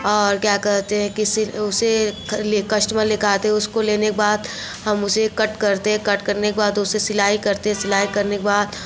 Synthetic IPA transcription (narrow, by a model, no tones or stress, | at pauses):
ɔːɾkjaːkɛɾt̪eɦɛ̃kiʊselekɐʃʈmẽlɪkʰaːt̪eɦɛʊskoleːnekebaːd̪ | ɦɐmʊsekɐʈkɐɾt̪eɦɛ̃kɐʈkɐɾnekebaːd̪ʊsesɪlaːɦikɐɾt̪eɦɛ̃sɪlaːikɐɾnekebaːd̪